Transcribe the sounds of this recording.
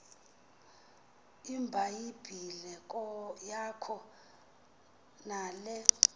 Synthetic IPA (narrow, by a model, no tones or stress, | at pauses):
imbʱajib̥ʱilɛk̬ʼɔjakʰɔ | naːlɛ